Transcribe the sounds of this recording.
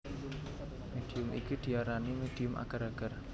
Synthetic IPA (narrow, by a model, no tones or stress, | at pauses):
med̥i̤ʊmʔḭkud̪̥i̤aɾanimed̥iʊmʔa̰ɡ̥aɾaɡ̥ər